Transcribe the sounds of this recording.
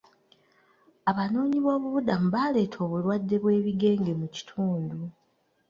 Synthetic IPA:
aβano̞ːɲiβo̞ːβuβudamuβaːle̞ːtʰo̞ːβulwadːe̞βwe̞ːβiɡe̞ːŋɡe̞muci̥tʰuːndu

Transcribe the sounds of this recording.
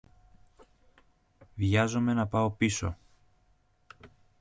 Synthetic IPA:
vʝɐzome̞nɐpɐo̞piso̞̰

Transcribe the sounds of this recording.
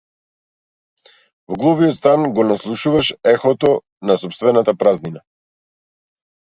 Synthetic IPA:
vɔɡlˠɔviɔt̪st̪anɡɔnaslˠuʃuvaʃɛxɔt̪ɔ | nasɔpst̪vɛnat̪apɾaznina

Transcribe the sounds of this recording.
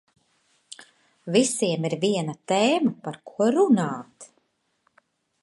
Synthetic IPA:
visiɛmiɾviɛnat̪eːmapaɾkʰuɔɾunaːt̪

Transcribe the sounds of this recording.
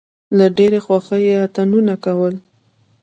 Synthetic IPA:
laɖeɾexwaxəjeat̪anunakawəl

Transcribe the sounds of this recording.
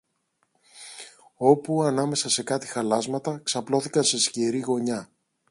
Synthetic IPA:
o̞puɐnɐme̞sɐse̞kɐt̪i̥xɐlɐzmɐt̪ɐksɐplo̞θikɐnse̞sceɾiɣo̞ɲɐ

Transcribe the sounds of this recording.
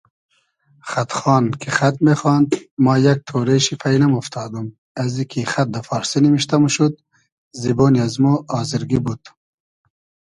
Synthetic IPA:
χat̪χɑːnkʰiχat̪̚meχɑːnd̪maːjak̚t̪ʰoːɾeʃipʰajnamuft̪ʰɑːd̪um | ɐzikʰiχat̪̚d̪ɐfɑːɾsinimiʃt̪ɐmuʃud̪̚ | ziboːniazmuɑːziɾɡibud̪̥

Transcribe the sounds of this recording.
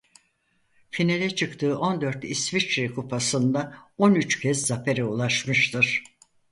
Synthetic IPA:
finelʲɛt͡ʃʰɯkt̪ʰɯːʔo̞nd̪øɾt̪isvit͡ʃɾikʰupʰasɯnd̪ao̞nyt͡ʃcʰɛzzafeɾɛulˠaʃmɯʃt̪ʰɯɾ̥

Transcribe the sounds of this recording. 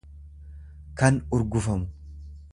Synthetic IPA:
kɐnʊɾɡʊfɐmʊ

